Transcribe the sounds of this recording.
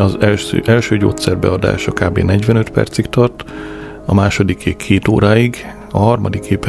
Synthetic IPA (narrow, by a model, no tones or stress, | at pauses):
ɒzɛːʔɛlʃøːɟo̰ːt̪sɛrbɛ̰ɒd̪a̰ːʃɒkaːbḛːnɛɟʋɛnø̞t̪pɛ̰rt̪sikt̪ɒrt̪ | ɒmaːʃo̞d̪ikeːkʰeːt̪o̰ːɾaːiɡ | ɒɦɒrmɒ̰d̪ikeːpɛ